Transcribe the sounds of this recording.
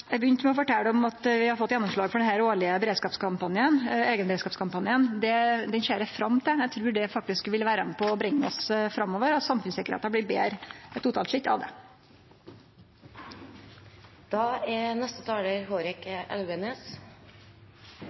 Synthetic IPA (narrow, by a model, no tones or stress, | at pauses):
jæɪɡbəjʏnt̪mɛɔfɔʈɛlːd̪ɔmɑt̪ʋɪhɑɾfɔt̪ːjɛnːɔmʂɭɑːɡfɔɖɛnɦæːɾoːɭɪəbəɾeːd̪skɑːpskʰɑmpɑnɪəneːɡənbəɾeːskɑːpskʰɑmpɑnjɪənd̪ɛd̪ɛnʃeːɾəfɾɑmːt̪ʰɪjæt̪ʰɾʉːɖɛfɑk̚t̪ɪskʋɪlʋæːɾənpʰɔːbɾɪŋːəɔsfɾɑmːoːʋəɾɑt̪sɑmfʉnsɪkəɾhḛːt̪əblɪbḛːɾəɛt̪ːuːt̪ʰɑːlʂɪt̪ːɑ̰ʋd̪ɛ̰ | d̪̥ɑːɛnɛst̪ət̪ʰɑːɽeɾɦoːɾɪkɛ̰lʋəneːs